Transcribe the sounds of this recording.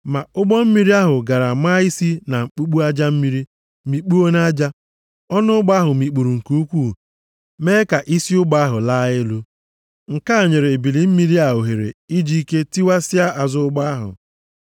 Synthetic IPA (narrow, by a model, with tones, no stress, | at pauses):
ma˨ʊ˦ɡ͡bɔ˦m̩˦mi˦ɾi˦a˦ɦʊ˨ɡa˨ɾa˨ma˦i˦si˦na˨ŋ͡m̩˨k͡pu˦k͡pu˦a˦d͡ʒa˦m̩˦mi˦ɾi˦ | mi˨k͡pu˦o˦na˦d͡ʒa˦ | ɔ˦nʊ˦ʊ˦ɡ͡ba˦a˦ɦʊ˨mi˨k͡pu˨ɾu˨ŋ̩˨ku˦kʷu˦˨ | meː˦ka˨ʔi˦si˦ʊ˦ɡ͡ba˦a˦ɦʊ˨la˦ɪ˦lu˦ | ŋ̩˨ka˦˨ɲe˨ɾe˨bi˨li˨m̩˦mi˦ɾi˦a˦˨ɦʊ˨ɦe˨ɾḛ˨i˦d͡ʒi˦i˦ke˦ti˦wa˦sɪ˦a˦ʔa˨zʊ˦ʊ˦ɡ͡ba˦a˦ɦʊ̰˨